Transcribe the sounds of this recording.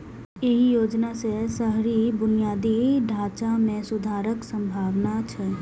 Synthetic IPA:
eɦijoːd͡ʒnasesəɦɾibʊnijaːd̪iɖʱaːt͡ʃamẽsʊd̪ʱaːɾəksə̃mbʱaːʋnat͡ʃʰɛ

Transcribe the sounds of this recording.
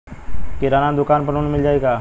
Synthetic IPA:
kɪɾaːnãd̪ʊkaːnpənoːnmɪld͡ʒaːeːɡaː

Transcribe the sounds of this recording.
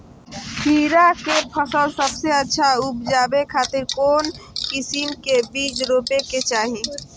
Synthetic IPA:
pʰiːɾakepʰəsəlsəbseətːʃʰaupd͡ʒaːbekʰaːt̪ɪɾkoːnkisinkebid͡ʒɾoːpeket͡ʃaːɦi

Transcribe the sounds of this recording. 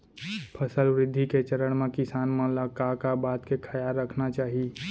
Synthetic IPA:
pʰəsəlʋɾɪd̪ʱːiket͡ʃəɾəɽ̃mẽkɪsaːnmẽləkakabaːt̪kekʰəjaɾːəkʰnat͡ʃaːɦi

